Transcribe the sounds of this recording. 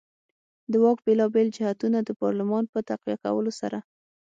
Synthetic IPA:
d̪əwɑk̚belɑbeld͡ʒɪhat̪unad̪əpɑɾlɪmɑnpət̪aqwijaka̰wəlosa̰ɾa

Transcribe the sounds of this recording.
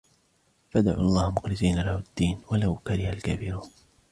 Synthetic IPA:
fad̪ʕṵːʔɑlˤːɑːhmʊqlɪsiːnalahad̪ːiːnwalawkaɾɪhalkaːfɪɾuːn

